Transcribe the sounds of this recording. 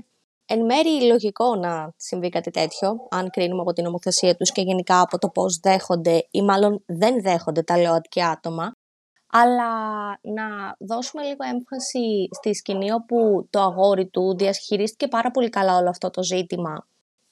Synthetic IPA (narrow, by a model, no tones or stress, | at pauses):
enme̞ɾilo̞ʝiko̞nɐsiɱvikɐt̪it̪e̞t̪ço̞ɐŋkɾinumeɐpo̞t̪ino̞mo̞θe̞siɐt̪usce̞ʝe̞nikɐːpo̞t̪o̞po̞zðe̞xo̞nd̪e̞imɐlo̞nðe̞nðe̞xo̞nd̪e̞t̪ɐleɐt̪i̥ciɐt̪o̞mɐː | lɐnɐðo̞sume̞liɣo̞e̞ɱfɐsist̪iscinio̞put̪o̞ɐɣo̞ɾit̪uðiɐsçiɾist̪i̥ce̞pɐɾɐpo̞likɐlɐo̞lo̞ɐft̪o̞t̪o̞zit̪imɐ